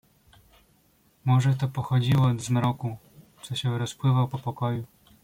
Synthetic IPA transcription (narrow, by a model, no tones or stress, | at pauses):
mɔʐɛt̪ɔpɔxɔd͡ʑiwɔd̪zmɾɔku | t̪sɔɕɛɾɔspwɘvawpɔpɔkɔju